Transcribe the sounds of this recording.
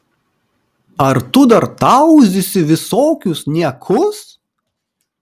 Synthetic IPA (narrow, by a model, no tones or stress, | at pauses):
ɐɾt̪ʊd̪ɐɾt̪ɐʊzʲɪsʲɪʋʲɪsoːkʲʊsnʲiɛkʰʊs